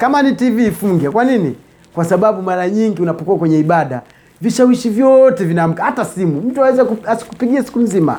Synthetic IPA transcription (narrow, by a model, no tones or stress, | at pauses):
kamanitiviːfuŋɡakwanini | kwasaɓaɓumaɾaɲiŋɡiunapɔkuakwɛɲɛiɓaɗa̰ | viʃawiʃivjɔtɛvinam̩kahatasimum̩tuawɛzakuasi̥ku̥piɡiasi̥kum̩zima̰